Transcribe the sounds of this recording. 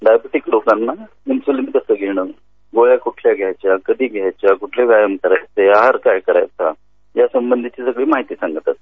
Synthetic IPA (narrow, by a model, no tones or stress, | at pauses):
ɖajbeʈiklokanːa | imsulimit̪əsəːɡʱeɽ̃əː | ɡoɭjakuʈʰljaɡʱjajt͡ɕjakəd̪ʱiːɡʱjajt͡ɕjakuʈʰleʋjajəmkəɾajt͡seaɦaɾkajkəɾa̰jt͡sa | jasəmbənd̪ʱit͡ɕiːsəɡɭiːmaɦit̪iːsãŋɡət̪at̪